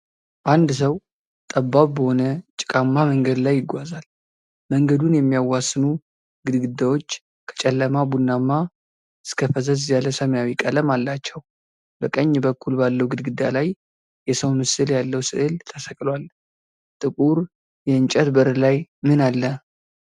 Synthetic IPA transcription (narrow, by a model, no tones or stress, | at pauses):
ʔand̪səw | t̪ʼəbːaβbəho̞nət͡ʃʼɪkʼamːaməŋɡəd̪lajːɪɡʷazal | məŋɡəd̪unjɛmːijawːasːɨnu | ɡɨd̪ɡɨd̪ːawo̞t͡ʃː | kʰə̥t͡ʃʼɛlːəmabunːamːa | ɨskʰəfəzəzjaləsəməjawikʼələmalːat͡ʃːɛw | b̥əkʼəɲːbəkʰːulbalːəwɡɨd̪ɡɨd̪ːalaj | jɛsəwmɨsɨljalːəwsɨ̰ʔɨlt̪ʰəsəkʼlwal | t̪ʼɨkʼuɾ | jɛɨnt͡ʃʼɛt̪bəɾlajmɨnalːə